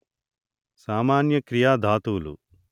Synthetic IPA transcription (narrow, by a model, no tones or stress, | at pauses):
saːmaːnjɐkɾijaːd̪ʱaːt̪uːlṵ